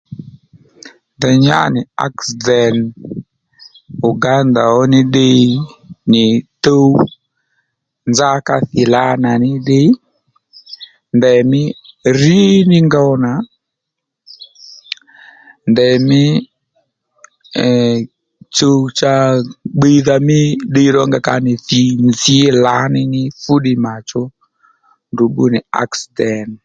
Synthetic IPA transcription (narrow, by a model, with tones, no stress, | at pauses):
ndɛ˨ɲa̰˦nɪ˨a̰˦ksdɛ˨n | u˨ɡa˦nda˨ɔ˦nɪ˦ɗɪ˦nɪ˨to˦ | nza˦ka˦θɪ˨la˦na˨nɪ˦ɗɪ˦ | ndɛ˨mɪ˦ri˦nɪ˦ŋɡa˦wna˨ | ndɛ˨mɪ˦ | t͡ʃo˦t͡ʃa˧˦ɡ͡be˦ða˨mɪ˦ɗe˧i˦ɾɔ˦ŋɡa˨ka˦nɪ˨θi˨nzi˦la˨˦nɪ˦nɪ˦fu˦ɗi˨ma˨t͡ʃɔ˦ | ndu˨ɓu˦ni˨a̰˨ksidɛ˨n